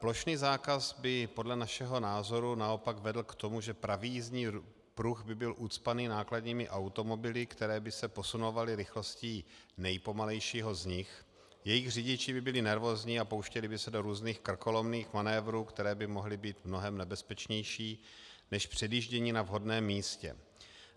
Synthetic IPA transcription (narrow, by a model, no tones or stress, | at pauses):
plo̞ʃniːzaːkazbɪpo̞dlɛnaʃɛɦo̞naːzo̞ɾunao̞paɡvɛdl̩kt̪o̞muʒɛpɾavizɲiː | pɾuɣbɪbɪlʔut̪t͡spaniːnaːkladɲiːmɪʔawt̪o̞mo̞bɪlɪkt̪ɛɾɛːbɪsɛpo̞sunovalɪɾɪxlosciː | nɛjpo̞malɛjʃiːɦo̞zɲɪx | jɛjɪɣr̝ɪɟɪt͡ʃɪbɪbɪlɪnɛɾvo̞ːzɲiːapo̞wʃcɛlɪbɪsɛdo̞ɾuːzniːxkr̩ko̞lo̞mniːxmanɛːvɾuːkt̪ɛɾɛːbɪmo̞ɦlɪbiːt̪mnoɦɛmnɛbɛspɛt͡ʃɲɛjʃiː | nɛʃpr̝̥ɛdiːʒɟɛɲiːnavɦo̞dnɛːmːiːscɛ̰